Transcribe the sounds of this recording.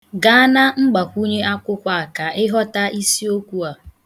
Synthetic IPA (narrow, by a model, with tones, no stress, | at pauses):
ɡa˨a˦na˦ŋ͡m̩˦ɡ͡ba˨kʷu˦ɲe˦ʔa˦kʷʊ˦kʷa˨a˨ka˨ɪ˦ɦɔ˦ta˦ʔi˦si˦o˦kʷu˦a˨